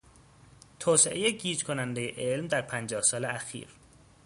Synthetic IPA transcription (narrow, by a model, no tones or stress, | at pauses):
t̪ʰɒːseʔejeɟiːd͡ʒkʰonænd̪e̞jeʔelmd̪æɾpʰænd͡ʒɒːhsɒːleæxḭːɾ